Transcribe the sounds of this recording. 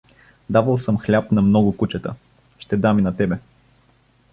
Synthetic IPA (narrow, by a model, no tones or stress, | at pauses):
d̪avəlˠsɤmxlʲapnɐmnɔɡʊkut͡ʃɛt̪ə̰ | ʃt̪ɛd̪aminɐt̪ɛbɛ